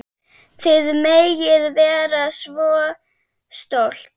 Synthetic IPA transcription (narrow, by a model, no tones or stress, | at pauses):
θʰɪðmejjɪðvɛːɾasvɔː | st̪owl̥t̪